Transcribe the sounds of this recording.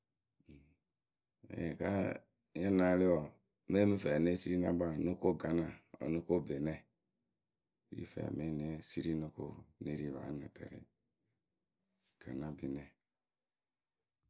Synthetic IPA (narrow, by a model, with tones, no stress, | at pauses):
ḛ˨je˨ka˦ | e˦na˨˦li˦ɔ˨ | me˦mi˦fɛ˨ne˦si˦ɾi˦na̰˦ba˦˨no˦ko˦˨ɡa˨na˨o̰˨no˦ko˦˨be˨nɛ˦˨ | ɾḭ˦fɛ̰˨me˦ne˦si˦ɾi˦no˦ko̰˦ne˦ɾi˦˨βa̰˨˦na˨tḛ˨ɾḭ˨ | ɡ̥a˨na˦be˨nɛ˨